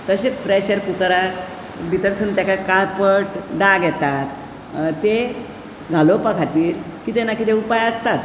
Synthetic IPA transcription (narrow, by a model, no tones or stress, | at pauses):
t̪əɕet͡spɾeɕəɾpukɾa | bʱit̪əɾsənt̪jakakaɾpəʈɖaɡjɛt̪at̪ | t̪ːe | ɡʱalopəkʰat̪iːɾ | kit̪enakit̪eupajəst̪at̪